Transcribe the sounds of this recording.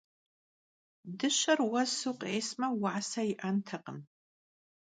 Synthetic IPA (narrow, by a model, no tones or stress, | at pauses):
dɨɕɐrwɐsuqʼeːsmɐwaʕsɐjɪʔɐntʰɐqən